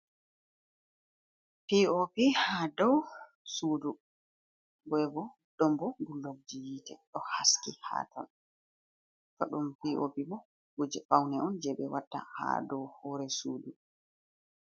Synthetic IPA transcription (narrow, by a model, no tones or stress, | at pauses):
piopihadɔw | suːdu | bɛɛbɔ | ɗɔmbɔɡulːoɡ̚d͡ʒijitɛɗɔhaskiha̰ːtʰɔ̰n | fa̰ɗumpiʔopibɔ | ɡud͡ʒɛfawnɛʔɔnd͡ʒɛɓɛwatːa̰ha̰dɔwhɔɾɛsuːdu